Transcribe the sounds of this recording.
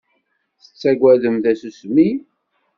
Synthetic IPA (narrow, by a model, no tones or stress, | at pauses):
θə̥t͡sːæɡʷæðəmθæsusmi